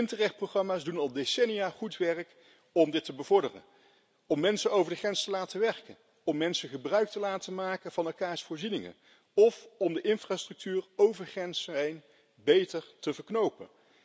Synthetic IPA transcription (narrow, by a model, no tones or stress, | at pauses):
ɪntərɛχt̚proχɑmaːzdunɑlˠdesɛnijaːχutʋɛrk | ɔmdɪtəbəvɔɹdərə̰n | ɔmːɛnsənowvəɹdəχrɛnstəlaːtəʋɛɹkən | ɔmːɛnsəχəbrœɥk̚təlaːtəmaːkəvɑnɛlˠkaːɹsfʊːɹzinɪŋə̰n | ɔfɔmdəʔɪnfraːstrɵk̚tyːrowvəɹχrɛnsɛjn | bejtəɹtəvəɹknowpə̰n